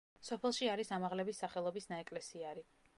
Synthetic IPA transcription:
sɔpʰɛlˠʃiaɾisamaʁlɛbisːaχɛlˠɔbisnaɛkʼlɛsiaɾi

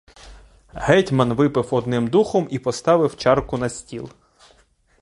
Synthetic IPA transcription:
hɛtʲmɐnʋɪpɪwɔd̪nɪmd̪uxɔmipɔst̪ɑʋɪwt͡ʃɑrkʊnɐsʲtʲilˠ

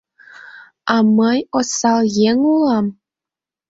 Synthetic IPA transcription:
ɑməjosɑljeŋulɑm

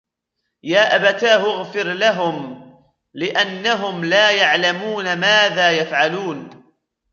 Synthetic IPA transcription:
jaːʔabat̪aːɦʊɣfɪɾlaɦʊm | lɪʔanːaɦʊmlaːjaʕlamuːnamaːðaːjafʕaluːn

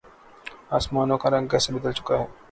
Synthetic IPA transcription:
aːsmaːnõkaɾɐ̃ŋɡkɛːsebɐd̪əlt͡ʃʊ̥kaɦɛː

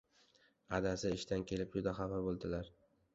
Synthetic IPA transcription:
ad̪asɪɪʃt̪ankʲʰe̞lɪp̚jʊd̪aχafabolˠd̪ɪlaɾ

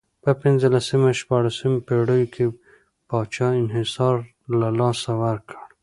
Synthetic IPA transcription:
pəpɪnzəlasəmaʃpɑɽasəmpeɽəjokʰe | pɑt͡ʃɑɪnɦɪsɑɾ | lalɑsawaɾkʰəɽ

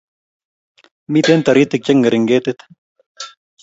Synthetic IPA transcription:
mit̪eːnt̪ɐɾiːt̪ik̚t͡ɕɐŋɡɐɾiŋɡeːt̪et̪ʰ

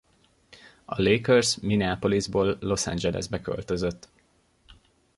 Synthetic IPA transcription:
ɒleːkørsminiaːpo̞lizboːlːo̞sa̰nd͡ʒɛlɛ̰zbɛkø̞̰lt̪ø̞zøt̪ː

